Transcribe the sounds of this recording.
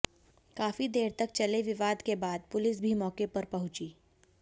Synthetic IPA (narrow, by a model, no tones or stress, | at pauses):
kaːfid̪eːɾt̪ɐk̚t͡ʃɐleʋɪʋaːd̪kebaːd̪̚pʊlɪsbʱimɔːkepɐɾpɐɦʊ̃t͡ʃiː